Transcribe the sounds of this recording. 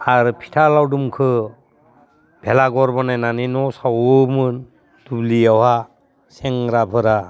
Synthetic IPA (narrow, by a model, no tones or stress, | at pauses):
aɾpʰi̥tʰalawdumkʰɯ | b̥ʱelaɡɔɾbɔnajnaninɔsawmɯn | d̥ubliawha | seŋɾapʰɯɾa